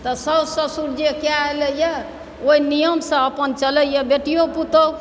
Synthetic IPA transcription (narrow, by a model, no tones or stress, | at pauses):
t̪əsəbsəsuɾd͡ʒekeaeləjɛ | oinijəmsə̃əpənt͡ʃələjəbeʈijoput̪ə